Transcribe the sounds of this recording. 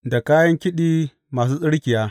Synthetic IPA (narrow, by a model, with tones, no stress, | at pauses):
da˨kaː˦jɐ˦ŋkʲɪ˦ɗiː˦ | maː˨s̬uː˦sʼɪ˦ɽkʲɪ˨jaː˦